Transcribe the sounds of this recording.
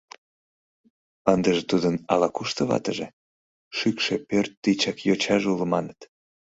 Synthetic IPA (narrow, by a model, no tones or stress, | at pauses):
ənd̪əʒet̪ud̪ənɑ̰lɑkuʃt̪əβɑ̰t̪əʒe | ʃykʃepørt̪ːit͡ɕɑkjot͡ɕɑʒuləmɑnət̪